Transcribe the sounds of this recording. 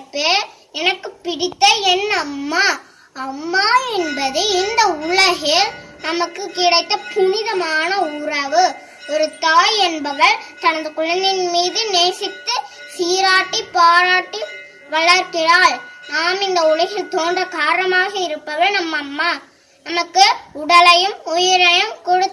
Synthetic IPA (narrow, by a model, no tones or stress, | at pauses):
pːe | ɛnɐkːɯpːɪɽɪt̪ːɐɛnːɐːmːaː | ɐmːaːɛnbɐðɯɪnd̪ɐʊɭɐɣɪnɐmɐkːɯkɪɽɐɪt̪ːɐpʊnɪðɐmaːnɐʊɾɐʋɯ | ɔɾɯt̪aːjɛnbɐʋɐɭt̪ɐɳɐnd̪ɯkʊɻɐnd̪ɪnmiːðɯneːsɪt̪ːɯ | siːɾaːʈːipaːɾaːʈːi | ʋɐɭɐɾkɪɾaːɭnaːmɪnd̪ɐʊɭɐɣɪlt̪oːɳɖrɐkaːɾnɐmaːɣɐɪɾɯpːɐʋɐɭnɐmːɐmːaː | nɐmɐkːɯʊɽɐlɐjɯmʊjɐɾɐjɐmkɔɽɯ